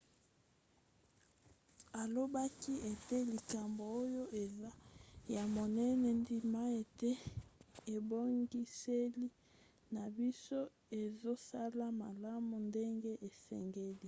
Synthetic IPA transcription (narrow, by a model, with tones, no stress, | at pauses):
a˨lo˦ba˦ki˦e˨te˦li˨ka˨mbo˨o˦jo˦ʔe˨za˦ja˨mo˨nɛ˦nɛ˨ndi˨ma˦e˨te˦ | e˨bo˦ŋɡi˦se˦li˦ | na˨bi˦so˦ | e˨zo˦sa˦la˦ma˨la˦mu˨nde˦ŋɡe˦ʔe˨sɛ̰˨ŋɡe˦li˦